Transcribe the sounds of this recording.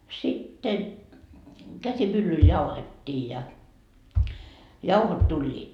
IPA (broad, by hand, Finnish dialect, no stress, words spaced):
sitːen kæsimylːyl jɑuhetʲːiː jɑ jɑuhot tulʲːiːt